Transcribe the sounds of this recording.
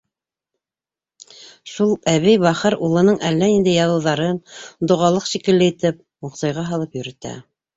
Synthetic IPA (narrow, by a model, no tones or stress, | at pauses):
ʃulˠæβɘjβɑχɤɾulˠɤ̆nɤɴʔælːæind̪ɘjɑðɤ̆wðɑɾɤnd̪ŏʁɑlˠɤqʃikɘ̆lːɘit̪ɘp̚ | muqsɑjʁɑɦɑlˠɤpjɵ̆ɾɘ̆t̪æ̰